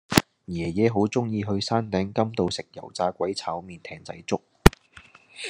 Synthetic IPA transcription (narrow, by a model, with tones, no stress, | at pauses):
jɛː˨˩jɛː˨˧ɦo˨˥wt͡sʊ˥ŋjiː˧ɦɵ˧ɥsaː˥nt̪ɛː˨˥ŋkɐ˥mt̪o˨wsɪ˨k̚jɐ̰˨˩wt͡saː˧kʷɐ˨˥jt͡sʰaː˨˥wmiː˨˧nt̪ʰɛː˧ŋt͡sɐ̰˧˥jt͡sʊ˥k̚